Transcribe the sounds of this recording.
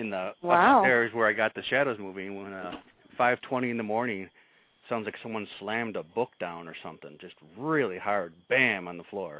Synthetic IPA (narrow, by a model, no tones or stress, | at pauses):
ɨ̃nðəwaaɪtɛɹzwə˞aɪɡɑt̪̚ðɨʃæɾoʊzmuvɪ̃ŋwə̃nʌ | faɪv̥tʰw̥ɛ̃ɾ̃iɨ̃nðəmɔɹnɪ̃ŋ | sãʊ̃ndzlaɪksʌ̃mwʌ̃nslæ̃mdəbʊk̚d̥ãʊ̃nə˞sʌ̃mθɪ̰̃ŋd͡ʒʌst̚ɹɪlˠihɑɹd̚b̥æ̃mə̃nðəflɔɹ